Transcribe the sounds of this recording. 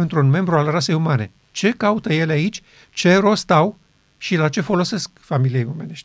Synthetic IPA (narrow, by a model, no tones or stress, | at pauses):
ɨnt̪ɾunme̞mbɾualrase̞jumane̞̰ | t͡ʃe̞kaut̪əje̞leait͡ʃʲ | t͡ʃe̞ɾo̞st̪aw | ʃilat͡ʃe̞fo̞lo̞se̞skfamilijejome̞ne̞ʃt̪ʲ